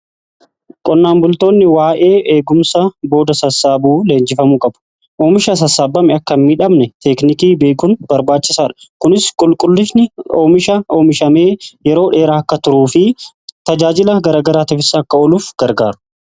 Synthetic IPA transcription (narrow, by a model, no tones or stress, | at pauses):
kʼɔnːaːmbʊlt̪oːnːɪwaːʔe̞ːʔe̞ːɡʊmsɐbo̞ːd̪ɐsɐsːaːbuːle̞ːɲd͡ʒɪfɐmuːkʼɐbʊ̥ | ʔoːmɪʃɐs̬ɐsːaːbːɐmɛɐkːɐmmiᶑɐmnɛt̪ɛknɪkiːbe̞ːkʊnbɐɾbaːt͡ʃːɪsaːᶑɐ̥kʊnɪskʼʊlkʼʊlːɪsnɪoːmɪʃɐoːmɪʃɐme̞ːjɛɾo̞ːᶑe̞ːɾaːɐkːɐt̪ʊɾuːfɪ | t̪ɐd͡ʒaːd͡ʒɪlɐɡɐɾaːɡɐɾaːt̪ɪfɪsːɐkːɐɔluːfɡ̥ɐɾɡaːɾʊ̥